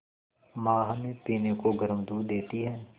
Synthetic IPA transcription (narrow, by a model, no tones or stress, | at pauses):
mãːɦɐmepiːnekoɡɐɾəmd̪uːɾd̪eːt̪iɦɛː